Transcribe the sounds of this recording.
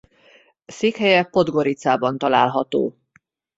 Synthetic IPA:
seːkhɛjɛpo̞d̪ɡo̞ɾit̪saːbɒnt̪ɒlaːlɦɒt̪o̰ː

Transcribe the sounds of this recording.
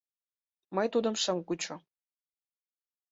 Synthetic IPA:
mɤjt̪ud̪ə̆mʃə̆mkut͡ɕŏ

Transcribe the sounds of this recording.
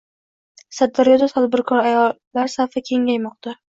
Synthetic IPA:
sad̪ːaɾjɒd̪at̪ʰad̪̚bɪɾkʰɒɾajɒlːaɾsafɪkʲʰe̞ŋajmɒq̚t̪ʰa

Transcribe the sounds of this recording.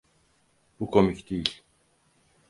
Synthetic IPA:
pukomikt̪iːɬ

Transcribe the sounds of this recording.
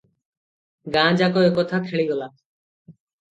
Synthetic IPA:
ɡãd͡ʑakoekɔt̪ʰakʰeɭiɡɔla

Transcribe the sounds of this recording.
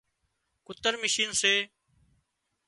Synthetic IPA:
kʊt̪əɾmɪʃiːnseː

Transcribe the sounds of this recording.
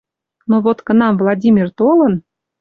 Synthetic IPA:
noβot̪kə̆nɑmvlˠɑdʲimʲirt̪olə̆n

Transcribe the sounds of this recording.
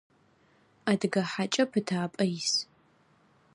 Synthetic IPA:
adɡɐħat͡ʃʼɐpʰɨtʰaːpʼɐjs

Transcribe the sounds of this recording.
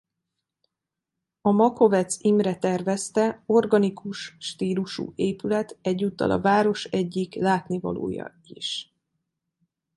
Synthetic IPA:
ɒmɒko̞vɛt̪simrɛt̪ɛrvɛst̪ɛo̞rɡɒnikuʃːt̪iːluʃṵːeːpylɛt̪ɛɟːuːt̪ːɒ̰lʔɒ̰vaːɾo̞ʃɛɟːiklaːt̪nivɒ̰lo̰ːjɒ̰ | iʃ

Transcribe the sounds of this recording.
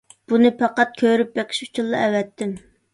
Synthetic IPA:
b̥unɪpʰɑqɑt̪̚kʲʰøɾyp̚bɛqʰɪ̥ʃu̥t͡ʃʰilˠːɑ̰ɛwɛt̪ʰːɪm

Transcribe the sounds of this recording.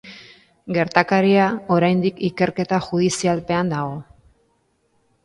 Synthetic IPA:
ɡe̞ɾt̪akaɾiao̞ɾajnd̪ikike̞ɾke̞t̪axuð̞isialpe̞and̪aɣ̞o̞

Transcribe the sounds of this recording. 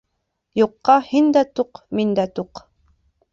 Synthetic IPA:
juqːɑhind̪æt̪uqmind̪æt̪uq

